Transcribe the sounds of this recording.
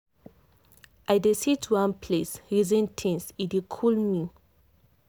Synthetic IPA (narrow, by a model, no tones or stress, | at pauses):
ʔajdesitʰwãnpʰlesɹizɛ̃ntʰĩnsidikʰulmi